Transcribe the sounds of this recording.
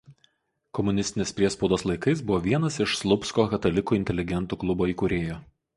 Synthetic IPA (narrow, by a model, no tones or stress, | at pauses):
kɔmʊnʲɪsʲt̪ʲɪnʲeːspʲɾʲiɛspɔʊd̪oːslˠɐɪkɐɪsbʊʋoːʋʲiɛnɐsɪʃslˠʊpskoːkɐt̪ɐlʲɪkuːɪnʲt̪ʲɛlʲɪɡʲɛnt̪uːklˠʊboːiːkʊɾʲeːjoː